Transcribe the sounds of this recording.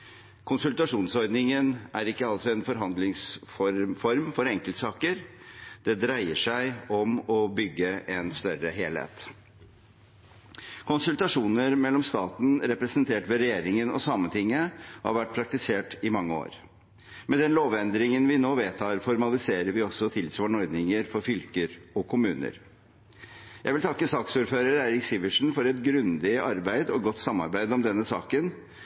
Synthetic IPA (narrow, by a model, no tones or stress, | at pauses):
kʰʊnsʉlt̪ɑʂuːnsɔɾd̪nɪŋənʔæɾɪkːəɑlsɔɛnfɔɾɦɑnd̪lɪŋsfɔɾfɔɾmfɔɾɛŋkəlt̪sɑːkəɾd̪̥ɛd̪ɾæɪəʂæɪɔmɔbʏɡːəʔɛnst̪œɾəɦeːlhḛːt̪ | kʰʊnsʉlt̪ɑʂuːnəɾmɛlːɔmst̪ɑːt̪n̩ɾɛpɾɛsənt̪ʰeːʈʋɛɾɛjeːɾɪŋənɔ̰sɑmːənt̪ɪŋːəɔhɑ̰ɾʋæʈ̚ːpʰɾɑk̚t̪ɪseːʈɪmɑŋːəo̰ːɾ | mɛd̪ɛnloːʋɛnd̪ɾɪŋənʋɪnoːʋeːt̪ʰɑːɾfɔɾmɑlɪseːɾəɾʋɪɔsːɔt̪ʰɪlsʋɑːɳɔɾd̪nɪŋəɾfɔɾfʏlkəɾɔkʰʊmʉːnə̰ɾ | jæɪʋɪlt̪ʰɑkːəsɑːksuːɾføːɾəɾæɪɾɪksɪʋəʂn̩fɔɾɛt̪ɡɾʉnd̪ɪɑɾbæɪd̪ɔɡɔt̪ːsɑmːɑ̰ɾbæɪd̪ɔmd̪ɛnːəsɑ̰ːkən